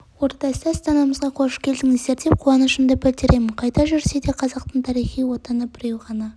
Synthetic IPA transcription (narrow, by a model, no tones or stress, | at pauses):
wo̞ɾt̪ɑst̪ɑst̪ɑnɑməzʁɑqʰo̞ʃə̥kʲʰe̞ld̪ɪŋɪzd̪e̞ɾt̪ep̚qʰuɑnəʃənd̪ɪbɪlt̪ɪɾe̞mɪɴqʰɑjt̪ɑʒʏɾse̞d̪e̞qʰɑzɑqt̪əɴt̪ʰɑɾijχijwo̞t̪ɑnəbɪɾe̞wʁɑnɑ